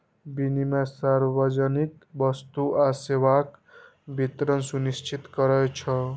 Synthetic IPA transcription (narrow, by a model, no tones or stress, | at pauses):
binimasarbʌd͡zʌnikbʌst̪uasewak | bʱit̪ɾʌnsunist͡ʃʰit̪ɡʌɾʌjt͡sʰʌ